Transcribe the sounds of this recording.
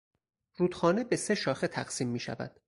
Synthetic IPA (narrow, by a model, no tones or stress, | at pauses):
ɾuːd̪̥xɒːnebe̞se̞ʃɒːxet̪ʰæ̰ɢsiːmːiːʃæ̰væ̰d̪̥